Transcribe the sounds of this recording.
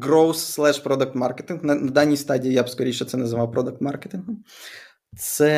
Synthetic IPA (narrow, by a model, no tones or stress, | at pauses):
ɡɾɔwsːlˠɛʂpɾɔd̪ɐk̚t̪maɾkʲɛt̪ʲinknɐnɐd̪anʲijst̪adʲijijapskɔɾʲeʃɛt̪sɛnɐzɨvawpɾɔd̪ɐk̚t̪maɾkʲɛt̪ʲinɡm | t̪sɛ